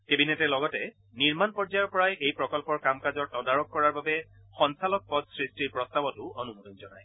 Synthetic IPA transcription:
kebinɛtɛlɔɡɔtɛ | niɹmanpɔɹzajɔɹpɔɹajejpɹɔkɔlpɔɹkamkazɔɹtɔdaɹɔkːɔɹaɹbabɛ | xɔnsalɔk̚pɔdsɹistiɹpɹɔstabɔtʊonumutɔnzɔna̰j

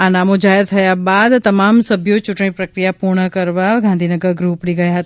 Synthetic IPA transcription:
anamõd͡ʒaɦɪɾt̪ʰəjabad̪t̪əmamsəbʱjot͡ʃʊʈɳ̃ĩpɾəkɾijapuɾɳəkəɾʋaɡʱãnd̪ʱinəɡəɾɡɾupɽiɡəjaɦət̪a

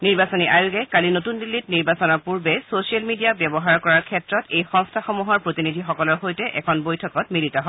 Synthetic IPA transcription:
niɹbasoniʔajuɡɛkalinotundilːitniɹbasɔnɔɹpuɹbɛsosialmidiabjɔbɔɦaɹkɔɹaɹkʰɛtɹɔtejxɔŋstʰaxɔmuɦɔɹpɹotinidʱixɔkɔlɔɹxojtɛʔɛkʰɔnbojtʰɔkɔtmilitɔɦɔ

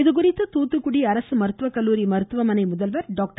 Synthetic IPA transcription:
ɪðɯk̬ʊrɪt̪ːɯt̪uːt̪ːɯkːʊɽiɐɾɐsɯmɐɾɯt̪ːʋɐkɐlːuːɾimɐɾɯt̪ːɯʋɐmɐnɐɪmʊðɐlʋɐɾɖoːk̚ʈ

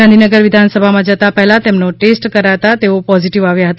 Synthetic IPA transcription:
ãnd̪ʱinəɡəɾʋɪd̪ʱansəbʱamãd͡ʒət̪apɛɦɛlat̪emnoʈesʈkəɾaɦt̪at̪eopɔziʈiʋaʋjaɦət̪a

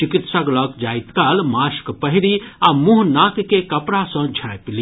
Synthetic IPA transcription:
t͡ʃikit̪saɡlɔkd͡ʒaːit̪kalmaːʃkpəɦiɾiamuɦnaːkkekɐpɾasə̃d͡ʒʱãpli

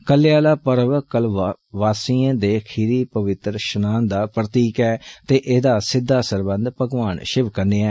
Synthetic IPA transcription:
kəlːejaːlaːpəɾʋkəlʋaːsiːãːd̪eːkʰiːɾiːpəʋɪt̪ɾʃənaːnd̪aːpɾət̪iːkɛːt̪eːʔeːd̪aːsɪd̪ːaːsəɾbə̃nd̪pəɡʋaːnʃɪʋkəndeːɛː

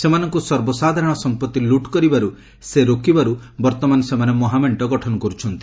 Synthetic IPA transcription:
semanɔŋkusɔɾbɔsad̪ʱaɾɔɽ̃ɔsɔmpɔt̪ːiluʈkɔɾibaɾu | seɾokibaɾubɔɾt̪ɔmanɔsemanemɔɦameɳʈɔɡɔʈʰɔnɔkɔɾut͡ʃʰɔnt̪i̥

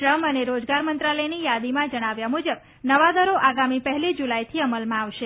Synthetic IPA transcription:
ʈɾəməneɾod͡ʒɡaɾmənt̪ɾaləjnijad̪imãd͡ʒəɽ̃aʋjamud͡ʒəb | nəʋad̪əɾoʔaɡamipəɦɛlid͡ʒulajt̪ʰiəməlmãaʋʃe

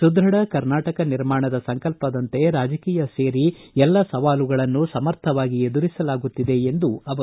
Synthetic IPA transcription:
sud̪ɾɐɽɐkɐɾnaːʈɐkɐniɾmaːɳɐd̪ɐsɐŋkɐlpɐd̪ɐnt̪e̞ɾaːd͡ʒɐkiːjɐse̞ːɾiɛlːɐsɐʋaːluɡɐɭɐnːusɐmɐɾt̪ʰɐʋaːɡie̞d̪uɾisɐlaːɡut̪ːid̪e̞end̪uɐʋɐ

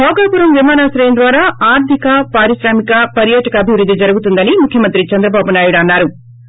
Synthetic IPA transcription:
ɦɔːɡaːpuːɾɐmʋimaːnaːsɾɐjɐnd̪ʋaːɾaːaːɾt̪ʰikɐpaːɾisɾaːmikɐpɐɾjaːʈɐkɐːbʱiʋɾud̪ːid͡ʒɐɾuɡut̪und̪ɐnimukʰjɐmɐnt̪ɾit͡ʃɐnd̪ɾɐbaːbunaːjuɽɐnːaːɾu

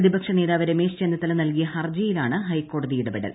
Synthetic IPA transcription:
ðibɐkʂɐneːðaːʋɐɾemeːst͡ɕend̪ɐt̪ːɐlɐnɐlkijɐhɐrd͡ʑijilaːɳɨɦɐjkːo̞ːɽɐðijiɽɐbeɽɐ̰l

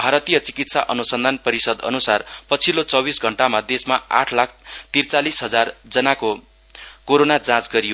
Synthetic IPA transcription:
bʱaɾʌt̪ijʌt͡sikit̪saʔʌnusʌnd̪ʱanpʌɾisʌd̪ʌ̰nusarpʌt͡sʰilot͡sʌbisɡʱʌɳʈamad̪esmaa̰ʈʰlak̚ʰt̪irt͡salisɦʌd͡zard͡zʌnako | koɾonad͡zãt͡sɡʌɾijo

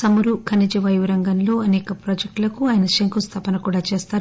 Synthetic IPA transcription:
sɐmuɾukʰɐnid͡ʒiʋɐjʋɾɐŋɡɐnlo̞ːɐnɛːkɐpɾoːd͡ʒek̚ʈlɐkuaːjɐnɐʃiŋkust̪ʰɐpɐnɐkuːɽaːt͡ʃeːst̪aːɾ

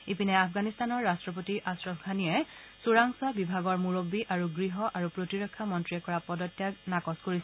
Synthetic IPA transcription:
ipinɛapʰɡanistanɔɹːastɹɔpotiʔasɹɔbʰɡʱanijɛ | suɹaŋsabibʱaɡɔɹmuɹobːiʔaɹuɡɹiɦɔʔaɹupɹotiɹɔkʰːamɔntɹiɛkɔɹapɔdɔtːjaknakɔskoɹisɛ

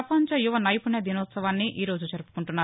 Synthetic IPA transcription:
ɐpɐɲt͡ʃɐjuʋɐnɐjipuɳɐd̪inɔːt̪sɐʋaːnːiʔiːɾo̞ːd͡ʒud͡ʒɐɾupu̥kuɳʈunːaː

